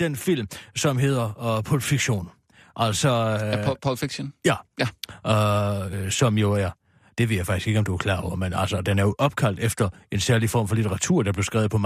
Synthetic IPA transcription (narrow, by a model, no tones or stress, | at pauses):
d̥enfil̰msɒ̽mɦe̝ð̰ˠɐpʰolfiɡ̥ɕo̝̰ːn | ʔæl̰sɒpʰɒfiɡ̥ɕonjæj | sɒ̽mjo̝æɐ | d̥e̝ʋḛjafɑ̈ɡ̥isɡ̥e̝ɡ̥əɒ̽md̥uæɐkʰlɑ̈ːɒʊɐmenæl̰sɒd̥enæɐjo̝ʔɒ̽b̥kʰæl̰d̥efd̥ɐe̝nsæɐlifɒ̰ːmfɒ̽lit͡sʰeʁɑ̈t͡sʰṵɐ̰d̥ɑ̈b̥le̝ʊsɡ̥ʁɛ̰ːʊð̩ˠpʰɒ̽m